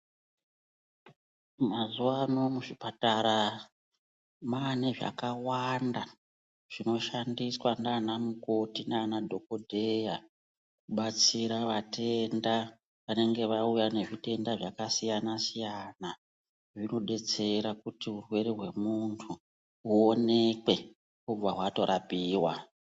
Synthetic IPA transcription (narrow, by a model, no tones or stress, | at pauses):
mazuwano̞muʐipataɾa | maneʐa̰kawanda | ʐ̥ino̞ʃandiswananamuko̞tinanadʱo̞ko̞dʱeja | kuɓat͡siɾaʋatʰe̞nda | ʋane̞ŋɡe̞ʋaujane̞ʐite̞ndaʐakasijanasijana | ʐino̞ɗe̞t͡se̞ɾakutiurwe̞ɾeɦwe̞muntʰu | uone̞kwe̞ | kub͡vaɦwato̞ɾapiːwa